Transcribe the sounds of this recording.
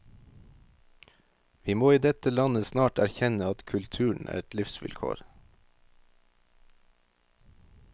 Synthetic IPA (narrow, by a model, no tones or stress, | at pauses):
ʋiːmoːiːd̪ɛt̪əlɑnəsnɑːʈæɾçɛnəɑt̪kʰʉlt̪ʰʉːɳ̩ʔæ̰ːɾɛt̪lɪfsʋɪ̰lkʰo̰ːɾ